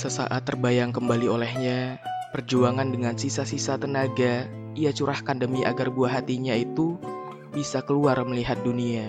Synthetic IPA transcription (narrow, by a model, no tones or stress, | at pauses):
səsa̰ʔat̪ːərbajaŋkəmbaliolɛhɲapərd͡ʒuaŋandəŋansisasisat̪ənaɡa | iat͡ʃuɾahkandəmiʔa̰ɡarbuaɦat̪iɲait̪u | bisakəluarməliɦat̪̚dunia